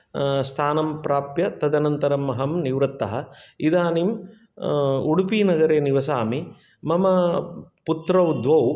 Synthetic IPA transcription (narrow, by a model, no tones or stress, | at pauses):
st̪ʰaːnɐmpɾaːpjɐt̪ɐd̪ɐnɐnt̪ɐɾɐmːɐɦɐmniʋɾɐt̪ːɐɦɐid̪aːnim | uɽupiːnɐɡɐɾeːniʋɐsaːmi | mɐmɐput̪ɾɐwd̪ʋɐw